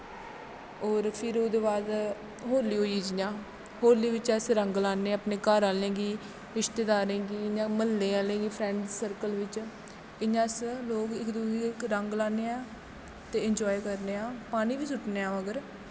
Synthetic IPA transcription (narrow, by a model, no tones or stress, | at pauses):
ɔːɾpʰɪɾoːd̪ʋaːd̪ | ɦoːliːɦoːiːd͡ʒɪjãː | hoːliːʋɪt͡ʃəsɾəŋɡlaːneːəpneːkaɾaːlẽːɡiː | ɾɪʃt̪eːd̪aːɾẽːɡiːɪɲãːməlːẽːaːlẽːɡiːpʰɾɛ̃ːɳɖsəɾkəlʋɪt͡ʃ | ɪɲãːsloːkɪkd̪uːiːkɾəŋɡlaːneːãː | t̪eːɪɲd͡ʒɔːjkəɾneːãːpaːniːʋiːsʊʈneːãːʋəɡəɾ